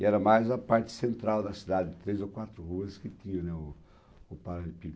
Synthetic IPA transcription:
ɪɛɾɐmajzɐpaɾt͡ʃɪ̥sẽnt̪ɾawd̪ɐsid̪ad̪ɪt̪ɾejzokwat̪ɾʊhuɐskɪt̪ĩɲɐ̃nɛʊː | paɾadɪpiɡ

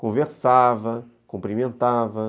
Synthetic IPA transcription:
kõveɾsavɐ | kũmpɾimẽnt̪avɐ

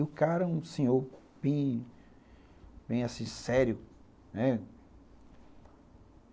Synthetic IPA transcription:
ʊkaɾɐũsẽɲoɾ | b̥ẽj̃ | bẽj̃asĩsɛɾjʊ | nɛ

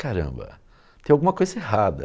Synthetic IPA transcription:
kaɾɐ̰̃mbɐ̰ | t̪ẽj̃awɡũmɐkojzɐeɦad̪ɐ̰

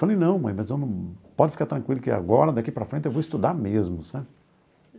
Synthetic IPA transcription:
falẽj̃nɐ̃w̃mɐ̃j̃mɐzewnɐ̃pɔd͡ʒɪfi̥kaɾt̪ɾɐ̃ŋkwilʊkɪa̰ɡɔɾɐd̪akipɾɐfɾẽnt͡ʃɪewvowist̪ud̪amezmʊsabɪ

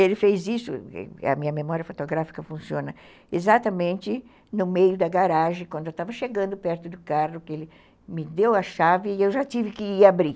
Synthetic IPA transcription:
elɪfejzisʊ̰ɛ̰ɐ̰mĩɲɐmemɔɾiɐfot̪oɡɾafi̥kɐfũsiõnɐ | ezat̪ɐmẽnt͡ʃ̪ɪ | nʊmejʊd̪ɐɡaɾaʒẽkwɐ̃nd̪ʊewt̪avɐʃeɡɐ̃nd̪ʊpɛɾt̪ʊd̪ʊkarʊkɪelɪ | mɪd̪ewɐʃavɪːewʒat͡ʃivɪkɪiabɾi

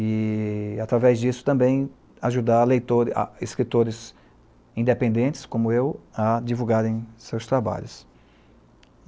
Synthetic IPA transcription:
ɪat̪ɾavɛzd͡ʒisʊ̥t̪ɐ̃bẽj̃ | aʒud̪alejt̪oɾa̰ɪskɾit̪oɾɪz | ĩnd̪epẽnd̪ẽnt͡ʃɪ̥skõmʊewad͡ʒivuɡaɾẽj̃sewst̪ɾaba̰ʎʊs

